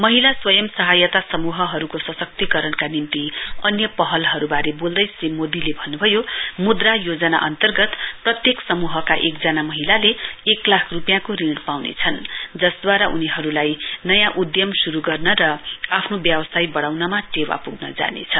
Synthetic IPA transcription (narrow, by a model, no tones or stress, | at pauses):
mʌɦilaswʌjʌmsʌɦajʌt̪asʌmuɦʌɦʌɾukosʌsʌk̚t̪ikʌɾʌnkanint̪iʌnjʌpʌɦʌlɦʌɾubaɾebold̪ʌjsimod̪ilebʱʌnːubʱʌjomud̪rajod͡zʌna̰ʔʌnt̪ʌrɡʌt̪prʌt̪jeksʌmuɦʌkaʔek̚d͡zanamʌɦilaleːklakʰrupjãkoriɳɽpawnḛt͡sʰʌnd͡zʌsd̪waɾʌʔuniɦʌɾulajnʌjãʔud̪jʌmsuɾuɡʌrnʌɾʌapʰnobjʌbʌsajbʌɽawnʌmaʈewa̰puɡnʌ̰d͡za̰nḛt͡sʰʌ